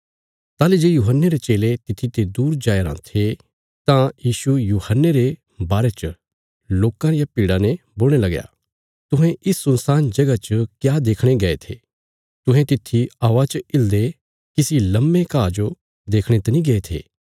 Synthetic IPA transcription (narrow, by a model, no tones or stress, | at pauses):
t̪aːlid͡ʒeːjuːɦənːeɾet͡ʃeːlet̪ɪt̪ʰit̪ed̪uːɾd͡ʒaːjɾã̰t̪ʰe | t̪ãjiːʃujuːhənːeɾe | baːɾet͡ʃə | loːkãɾɪjapiːɽanẽboːlɽ̃elɐɡja̰ː | t̪ʊ̃ɦẽʔɪsːʊ̃nsaːnd͡ʒɐɡat͡ʃəkjaːd̪eːkʰɽ̃eɡɐet̪ʰeː | t̪ʊ̃ɦẽt̪ɪt̪ʰːiaʋat͡ʃɪld̪e | kisilɐmːekaːd͡ʒo | d̪eːkʰɽ̃et̪ɐnĩɡeet̪ʰḛː